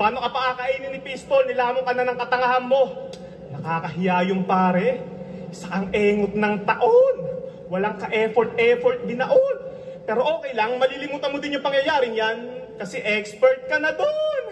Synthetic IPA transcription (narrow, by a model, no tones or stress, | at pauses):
paːno̞kɐpɐʔaːkɐʔiːnɪnɪpispolnɪlaːmoŋkɐnanɐŋkɐt̪ɐŋɐhɐnmo̞ | nɐkaːkɐɦɪjaːjʊŋpaːɾɛ | sɐkɐŋʔɛːŋot̪̚nɐŋt̪ɐʔo̞n | wɐlaŋkɐʔɛfoɾt̪̚ʔɛfoɹt̪̚d̪ɪnɐʔo̞l | pɛːɾo̞ʔo̞ːkɛjlɐŋmɐlilɪmuːt̪ɐnmod̪ɪnjʊŋpɐŋjɐjaːɾɪŋjankɐsɛʔɛkspɛɹt̪̚kɐnɐd̪on